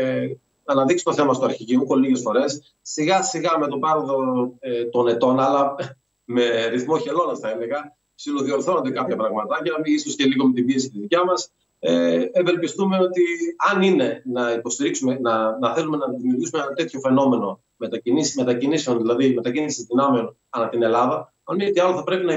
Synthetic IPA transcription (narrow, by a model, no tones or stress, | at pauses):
ɐnɐðiksot̪θe̞mɐst̪oɐɾçiʝimukoliʝe̞sfo̞ɾe̞sː | iɣɐsiɣɐme̞t̪o̞bɐɾoðo̞t̪o̞ne̞t̪o̞nɐlɐ | me̞ɾiθmoçe̞lo̞nɐsθɐeleɣɐ | siloðio̞ɾθo̞nond̪ekɐpçɐpɾɐɣmɐt̪ɐʝɐnɐmiisosce̞liɣo̞met̪̬ibiesitet̪iðicɐmɐs | eevelpist̪ume̞o̞t̪iɐnine̞nɐipo̞st̪iɾiksumenɐnɐθe̞lume̞nɐðimiuɾʝisumeenɐt̪e̞t̪ço̞fe̞no̞me̞no̞ | me̞t̪ɐinisme̞t̪ɐciniseo̞nðilɐðime̞t̪ɐcinisizðinɐmeo̞n | ɐnɐt̪ine̞lɐðɐ | ɐnmiet̪iɐloθɐpɾe̞pinɐ